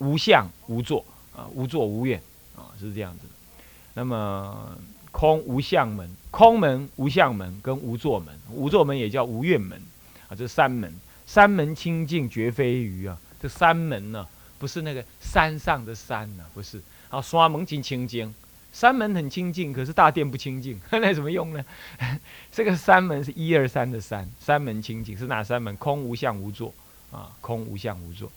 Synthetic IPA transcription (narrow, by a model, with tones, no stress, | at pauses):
u˨˥ɕjɑ˥˨˩ŋu˧˥t͡swɔ˥˩ | ɐ̰˨u˧˥t͡swɔ˥˩u˧˥ɥɛ˨˩n | ɐ̰˨ʂɻ̩˥˧ʈ͡ʂɤ˥˧jɑ̰˥˩ŋd͡zɨ˩d̥̪ə˩ | na˥˩mə˨ | kʰo˦ŋu˧˥ɕjɑ˥˩ŋmə̰˧˦nkʰo˦˥ŋmə˧˦nu˧˥ɕ̬jɑ˥˩ŋmə̰˧˦nkə˦nu˧˥t͡swɔ˥˩mə̰˧˦n˨˩u˧˥t͡swɔ˥˩mə˨˦njɛ˨˩t͡ɕjɑ˥˨ʊu˧˥ɥɛ˥˨nmə̰˧˦n | ɐ˨˩t͡sɤ˥˩˧sa˦nmə̰˧˦n | sa˦˥nmə˧˦nt͡ɕʰi˥ŋt͡ɕi˥˩ŋt͡ɕɥɛ˨˧˥fe˦ɪy˧˥ɐ˨ | t͡sɤ˥sa˦nmə˧˦nə˨ | pu˧˥ʂɻ̩˥˧na˥˩ɡə˩sa˦nsɑ˥˨˩ŋd̪ə˩sa˦nɐ˨pu˨˦˥ʂɻ̩˥˩ | na˧˥o˨˧swa˦mə˧˥ŋt͡ɕi˧˥nt͡ɕʰi˥ŋt͡ɕi˥ŋ | sa˥nmə˧˥nxə˨˩nt͡ɕʰi˥ŋt͡ɕi˥˩ŋkʰɤ˨˩ʂɻ̩˥˧t̪a˥˧t̪jɛ˥˧np̬u˥˩t͡ɕʰi˥ŋt͡ɕi˥˩ŋə˥na˥ɪə˨nmə˦jʊ˥˩ŋnə˩˧ | ʈ͡ʂɤ˥˩ɡə˨sa˦˥nmə˧˦nʂ̬ɻ̩˥˧i˦˥ə˞˥˧sa˦nd̪ə˨sa̰˦nsa˦nmə˧˦nt͡ɕʰi˥ŋt͡ɕi˥˧˨ŋʂɻ̩˥˩na̰˨˩sa˦˥nmə˧˦nkʰʊ˥ŋu˧˥ɕjɑ˥˩ŋu˧˥t͡swɔ˥˩ | ɐ̰˨kʰʊ˦ŋṵ˧˥ɕjɑ̰˥˩ŋu˧˥˦t͡swɔ̰˥˩